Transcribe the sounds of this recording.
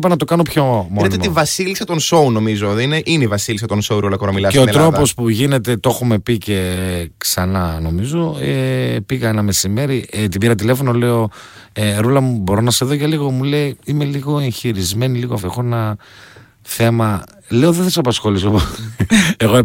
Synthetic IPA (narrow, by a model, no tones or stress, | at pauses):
pɐnɐt̪o̞kɐno̞pço̞monɐt̪et̪ivɐsilisɐt̪o̞nso̞uno̞mizoðeineʔineivɐsilis̬ɐt̪o̞nsouɾulɐkoɾɐmilɐseot̪ɾo̞po̞spuʝine̞t̪e̞t̪o̞xume̞pice̞ksɐnɐno̞mizoepiɣɐenɐme̞sime̞ɾit̪ibiɾɐt̪̬ile̞fo̞no̞le̞o̞ | eɾulɐmubo̞ɾo̞nɐse̞ðo̞ʝɐliɣo̞mule̞iime̞liɣo̞e̞ɲçiɾizme̞niliɣofexoenɐ | θe̞mɐ | le̞oðeθɐsɐpɐsxo̞lisopo | eɣo